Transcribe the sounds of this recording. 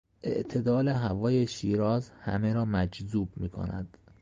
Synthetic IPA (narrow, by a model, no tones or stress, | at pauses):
ʔe̞̰ʔt̪ʰe̞d̪ɒːleɦævɒːjeʃiːɾɒːzhæ̰meɾɒːmæd͡ʒzuːb̚miːkʰo̞̰næ̰d̪̥